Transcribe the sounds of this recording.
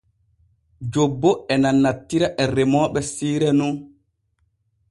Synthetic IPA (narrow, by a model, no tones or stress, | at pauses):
d͡ʒobːɔɛnanːatːiɾaʔɛɾɛmɔːɓɛsiːɾɛnun